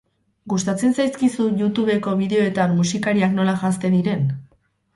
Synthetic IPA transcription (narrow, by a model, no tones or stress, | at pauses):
ɡust̪at͡se̞nsajskisuʝut̪uβe̞ko̞βiðe̞o̞e̞t̪anmːusikaɾiakno̞laʝast̪e̞nd̪iɾe̞n